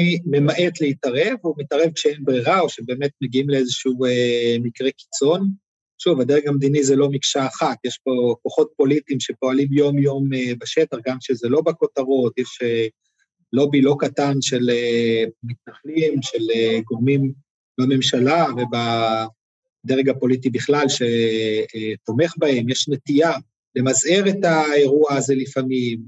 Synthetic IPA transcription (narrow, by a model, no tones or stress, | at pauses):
imemaʔetleitaʁe̞vumitaʁe̞vkʃeenbʁiʁao̞ʃebe̞ːmet̚meɡiimleezeʃuuemikʁe̞ki̥t͡so̞n | ʃuvad̪eʁeɡamd̪inizelo̞mikʃaːχat̪jeʃbo̞koχo̞t̚po̞lit̪imʃe̞po̞alimjo̞mjo̞mebaʃet̪aχɡamʃezelo̞bako̞t̪aʁo̞t̪jeʃe | lo̞bilo̞katanʃelemit̪naχlimʃeleɡo̞ʁmim | beme̞mʃalave̞ba | d̪eʁeɡapo̞lit̪̬ibiχlalʃe̞ | t̪o̞me̞χbae̞mjeʃnet̪ia | le̞mazheʁetae̞ʁuaːze̞lifamim